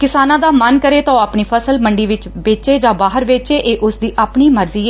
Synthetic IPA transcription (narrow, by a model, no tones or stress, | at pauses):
kɪsaːnãːd̪aːmənkəɾeːt̪ãoaːpɳiːpʰəsəlməɳɖiːʋɪt͡ʃbeːt͡ʃeːd͡ʒãːbaːɦəɾʋeːt͡ʃeːʔeːʔʊsd̪iːʔaːpɳiːməɾziːeː